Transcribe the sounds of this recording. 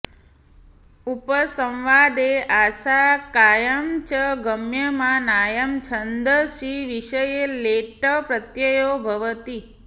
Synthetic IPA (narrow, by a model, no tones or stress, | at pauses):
upəsə̃wʋad̪eʔaʃakajəmt͡ʃəɡəmjəmãnajəmt͡ʃʰənd̪əʃiʋiʃəjeleʈəpɾət̪jəjobʱəʋət̪i